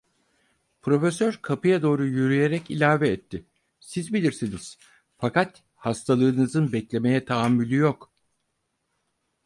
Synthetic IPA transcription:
pʰɾo̞fesøɾkʰapɯjad̪o̞ːɾujyɾyje̞ɾɛcilʲaːvɛːt̪ʰːɪ | sizbilʲiɾsiniz̥ | fakat̪ | hast̪ʰalˠɯːnɯzɯnbɛclʲe̞me̞jɛt̪ʰaːmːylʲyjok

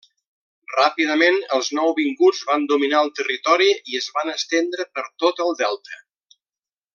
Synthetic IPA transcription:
rapiðəmenəlˠznɔwβiŋɡud͡zβand̪uminaəlˠt̪ərit̪ɔɾiiəzβanəst̪end̪ɾəpəɾt̪ot̪əlˠd̪ɛlˠt̪ə

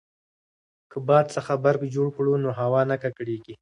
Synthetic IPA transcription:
kəbɑd̪̚səxabaɾkd͡ʒoɽkɽunoɦawɑnakakɽeɡi

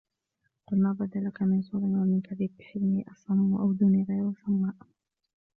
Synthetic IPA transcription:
qʊlmaːbad̪alakamɪnsuːɾɪnwamɪnkaðiːbːɪħɪlmɪʔɑsˤɑnːwaʔawd̪ʊniːɣajɾʊsamːaːʔ

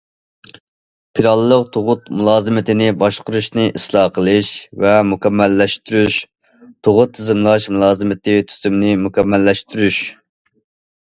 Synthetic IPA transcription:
pʰiɾɑlˠːəqt̪ʰoʁʊt̪mulˠɑːzɨmɪt̪ʰɪnɪbɑʃqʊɾuʃnɨʔislˠɑːqʰəlˠɨʃvɛmukʰʲɛmːɛlːɛʃt̪yɾyʃ | t̪ʰoʁʊt̪ʰːɪzɨmlˠɑʃmulˠɑːzɨmɪt̪ɪt̪ʰy̥z̥ymnɪmukʲɛmːɛlːɛʃt̪yɾyʃ

